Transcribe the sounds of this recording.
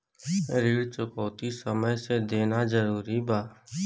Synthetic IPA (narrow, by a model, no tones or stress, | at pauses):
ɾiːɽt͡ʃʊkɔːt̪isəməjsed̪eːnad͡ʒəɾuːɾibaː